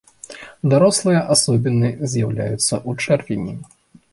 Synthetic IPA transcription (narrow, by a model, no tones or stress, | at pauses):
d̪aɾɔslˠɨjɐʔasɔbʲinɨzʲjawlʲa̰jut̪sːɐʔut͡ʂɛrvʲinʲḭ